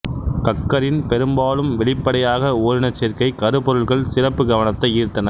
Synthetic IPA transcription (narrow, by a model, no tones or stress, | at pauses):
k̪ɐkːɐɾɪnpɛɾɯmbaːlɯmʋɛɭɪpːɐɽɐjaːɣɐoːɾɪnɐt͡ʃːɛɾkɐɪkɐɾɯpɔɾɯɭɣɐɭsɪrɐpːɯɡɐʋɐnɐt̪ːɐɪiːɾt̪ːɐnɐ